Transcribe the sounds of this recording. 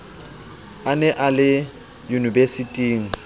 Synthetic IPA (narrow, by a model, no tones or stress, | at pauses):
anɛʔalɪ | junibesitʼiːŋ̩